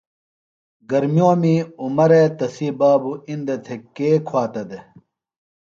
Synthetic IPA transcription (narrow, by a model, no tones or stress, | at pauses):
ɡɐɾmjoːmiumɐɾet̪ɐsiːbaːbuind̪et̪ʰekeːkʰwaːt̪ɐd̪e